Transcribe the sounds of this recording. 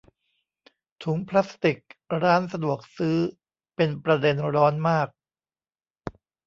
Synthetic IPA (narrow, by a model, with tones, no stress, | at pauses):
t̪ʰu˩˦ŋpʰlaː˦˥st̪i˨˩k̚ɾaː˦˥nsa˧du˨˩ək̚sɯː˦˥ | pe˧npɾa˧de˧nɾɔː˦˥nmaː˥˩k̚